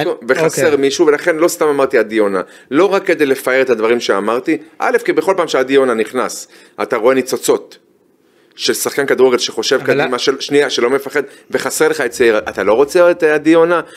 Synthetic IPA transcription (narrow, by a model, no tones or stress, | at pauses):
oveχase̞ʁmiʃuve̞laχe̞nlo̞st̪amamaʁt̪iad̪io̞na | lo̞ʁakːe̞d̪ejle̞faeʁet̪ad̪vaʁimʃeamaʁt̪iʔa̰le̞fkibeχo̞lpaːmʃead̪io̞naniχnas | a̰taʁo̞e̞nit͡so̞t͡so̞t̪ | ʃelsaχkankad̪uʁeɡelʃeχo̞ʃe̞vkad̪imaʃeʃniaʃe̞lo̞me̞faχe̞d̪ | ve̞χasele̞χaett͡saiʁaʔat̪alo̞ʁo̞t͡seoet̪ad̪io̞na